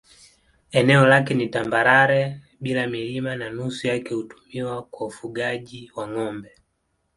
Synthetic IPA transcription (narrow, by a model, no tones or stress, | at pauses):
ɛnɛɔlakɛnitambaɾaɾɛ | ɓilamilimananusujakɛhutu̥miwakwaufuɡaʄiwaŋɔmbɛ